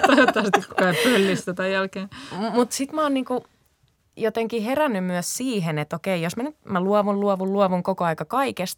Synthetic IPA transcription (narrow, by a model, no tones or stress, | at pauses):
t̪ɑjot̪ːˑɑːst̪ːikku̥kɑipølːist̪ot̪ɑijælkeːmut̪sit̪mæoːnniːku | jot̪eŋkiherænːymyæssiːhenet̪okeijosmænyt̪mæluɔʋulluɔʋulluɔʋuŋkokoɑikɑkɑikest̪